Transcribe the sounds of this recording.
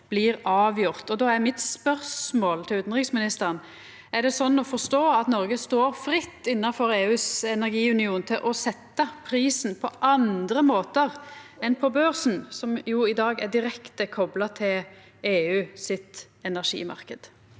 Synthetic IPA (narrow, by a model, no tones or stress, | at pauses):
b̥lɪːɾɑːʋjʊʁt̪ɔd̪oːæɾmɪt̪spœʁsmoːlt̪ʰɪlʉːt̪nʁɪksmɪnɪst̪əʁən | æɖ̪ɛsɔnːɔfɔst̪oːɑt̪nɔɾɡəst̪oːɾfɾɪt̪ːɪnːɑfɔɾeːʉːsɛnæɾɡiːʉnɪuːnt̪ʰɪlʔɔsɛt̪ːɑpʰɾiːsnpʰɔʔɑnd̪ɾəmoːt̪əʁɛnpʰɔbœɾsn̩sɔmjʊɪd̪ɑːɡɛd̪ɪɾɛkt̪əkʰɔblɑt̪ʰɪl | eːʉːsɪt̪ | ɛnæʁʂḭːmɑ̰ʁkəd̪̥